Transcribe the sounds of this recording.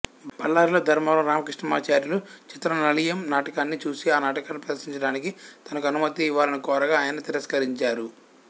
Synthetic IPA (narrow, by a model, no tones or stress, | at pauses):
bɐlːaːɾloːd̪ʱɐɾmɐːlɐɾaːmɐkɾiʂɳɐmaːt͡ʃaːɾjɐlut͡ʃit̪ɾɐnɐlijɐmnaːʈɐkaːnːit͡ʃuːsiaːnaːʈɐkaːnːupɾɐʃniɲt͡ʃɐɽaːnikit̪ɐnɐkuɐnumɐt̪iːʋːaːlɐnɐkɔːɾɐɡaːjɐnɐt̪iɾɐskɐɾiɲt͡ʃaːɾu